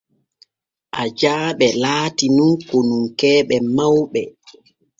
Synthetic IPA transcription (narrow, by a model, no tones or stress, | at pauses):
ʔad͡ʒaːɓɛlaːtinunkonuŋkɛːɓɛmawɓɛ